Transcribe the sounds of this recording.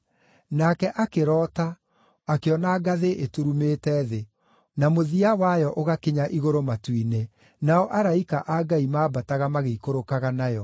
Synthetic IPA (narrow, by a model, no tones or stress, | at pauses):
nakɛʔakeɾɔːta | akeɔnaɡaðeʔetuɾumeːtɛːðe | namoðiawajɔʔoɣakeɲaʔiɣoɾomatwine | naɔʔaɾaikaʔaɡaimaːbataɣamaɣeikoɾokaɣanajɔ